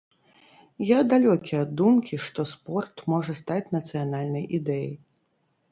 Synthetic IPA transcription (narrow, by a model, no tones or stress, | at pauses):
jad̪alʲɔkʲijɐd̪ːumkʲiʂt̪ɔspɔrt̪mɔʐɐst̪at͡sʲnɐt̪sɨjanalʲnɐjʔid̪ɛjɐ̰j